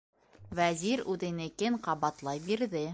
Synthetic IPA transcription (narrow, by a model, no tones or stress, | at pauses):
wæziɾʉðɘ̆nɘ̆kɘɴqɑβɑt̪lˠɑjbiɾðɘ